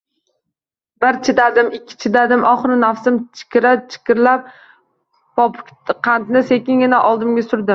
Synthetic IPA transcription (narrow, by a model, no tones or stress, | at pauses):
bɪɾt͡ʃʰɪd̪ad̪ɪmɪkʲʰːɪ̥t͡ʃʰɪd̪ad̪ɪmʔɒχɾɪnafsɪmt͡ʃʰɪ̥kʲɪɾat͡ʃʰɪ̥kʲɪɾlap̚ | pɒpʰʊk̪ʲqʰant̪nɪse̞kʲɪŋɡʲɪnaʔɒlˠd̪ɪmɡʲasʊɾd̪ɪm